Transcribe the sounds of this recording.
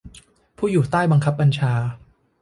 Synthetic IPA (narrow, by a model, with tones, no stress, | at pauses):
pʰuː˥˩juː˨˩t̪aː˥˩jba˧ŋkʰa˦˥p̚ːa˧nt͡ɕʰaː˧